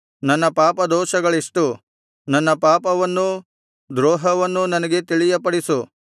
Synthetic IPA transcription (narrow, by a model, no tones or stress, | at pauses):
nɐnːɐpaːpɐd̪ɔːʃɐɡɐɭiʂʈu | nɐnːɐpaːpɐʋɐnːu | d̪ɾɔːɦɐʋɐnːunɐnɐɡet̪iɭijɐpɐɽisu